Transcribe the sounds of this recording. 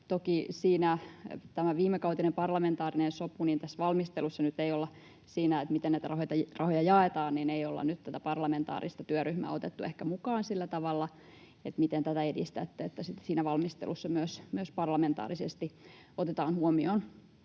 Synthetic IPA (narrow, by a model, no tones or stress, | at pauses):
t̪okisiːnæt̪æmæʋiːmːekɑut̪inempɑrlɑment̪ɑːrinensopuniːnt̪æsːʋɑlmist̪elusːɑnyt̪eiolːɑ | siːnæet̪mit̪enæit̪ærɑhot̪ɑrɑhojɑjɑet̪ɑːnnineijolːɑ̰nyt̪t̪æt̪æpɑrlɑment̪ɑ̰ːɾḭst̪ɑt̪yøryhmæ̰ːot̪et̪ːuehkæmukɑːnsilːæt̪ɑʋɑlːɑ | et̪mit̪ent̪æt̪æedḭst̪æt̪ːet̪ːæsit̪siːnæʋɑlmist̪ḛlusːɑmyøsmyøspɑrlɑment̪ɑ̰ːɾisest̪i | ot̪et̪ɑːnhuomion